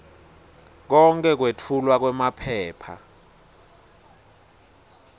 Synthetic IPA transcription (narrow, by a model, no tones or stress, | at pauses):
k̬ɔŋkʼɛk̬wetʰulwak̬wɛmapʰɛːpʰa̰